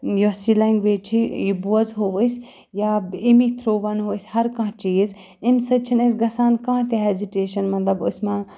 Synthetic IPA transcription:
jɔsilɛŋɡʋeːt͡ʃʰijibuɐzɦoʋəsʲ | jaːimit̪ʰɾoːʋɐnɦoːsʲhɐɾkãɦt͡ʃiːz | ɪmsɐt͡ʃʰinɐs̬ɡɐsaːnkãːt̪eɦɛːziʈeːʃɐnmɐt̪lɐbʊsmãː

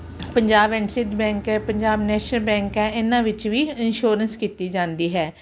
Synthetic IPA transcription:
pəɲd͡ʒaːbɛ̃ːɳʈsɪd̪bɛ̃ːŋkɛːpəɲd͡ʒaːbnɛːʃnəlbɛ̃ːŋkɦɛːʔɪnãːʋɪt͡ʃʋiːɪnʃoːɾənskiːt̪iːd͡ʒãːnd̪iːɦɛː

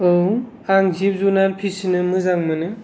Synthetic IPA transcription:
ɯw | aŋzip̚zunalpʰisinɯmɯzaŋmɯnɯ

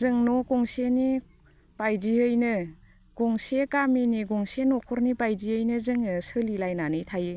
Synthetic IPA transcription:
zɯŋnɔkɔŋseni | b̥ajd͡ʒiɯjnɯ | ɡ̥ɔŋsekaminiɡɔŋsenɔkʰɔɾnibajziɯjnɯzɯŋɯsɯlilajnanɯjtʰaje

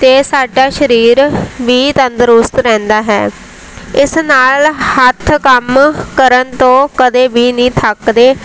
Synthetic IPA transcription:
t̪eːsaːɖaːʃəɾiːɾʋiːt̪ənd̪əɾʊst̪ɾɛ̃ːnd̪aːɦɛ̰ː | ɪsnaːlhət̪ʰkəmkəɾənt̪õːkəd̪eːbiːnĩːt̪ʰəkd̪eː

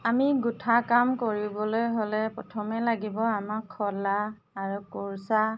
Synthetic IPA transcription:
amiɡutʰakamkoɹibɔlojɦolɛpɔtʰɔmɛlaɡibɔamakʰːɔlaː | ɹukoɹsa

